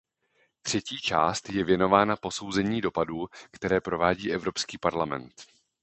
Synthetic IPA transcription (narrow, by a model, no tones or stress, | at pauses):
t̪r̝̥ɛciːt͡ʃa̰ːst̪jɛvjɛno̞vaːnapo̞so̞wzɛɲiːdo̞paduːkt̪ɛɾɛːpɾo̞vaːɟiːʔɛvɾo̞pskiːpaɾlamɛ̰nt̪